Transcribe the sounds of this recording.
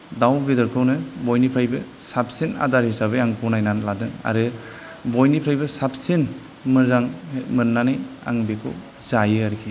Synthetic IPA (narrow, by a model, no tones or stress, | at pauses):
dawbedɔɾkʰɯwnɯbɔjnipʰɾajbɯsap̚sina̰daɾhisabɯaŋkunajnanladɯŋa̰ɾɯ | bojnipʰɾajbɯsap̚sin | mɯzaŋmɯnnːanaja̰ŋbekʰɯ̰w | zajɯaɾikʰi